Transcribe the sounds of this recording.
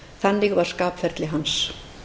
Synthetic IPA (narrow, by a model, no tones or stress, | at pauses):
θanːɪɣvaɾ̥skaːpfɛɾt̪lɪɦans